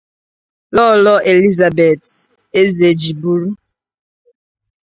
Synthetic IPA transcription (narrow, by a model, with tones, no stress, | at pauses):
lɔ˦˨lɔ˦ʔe˨li˦za˨be˨t | e˦ze˨d͡ʒi˨bu˦ɾu˦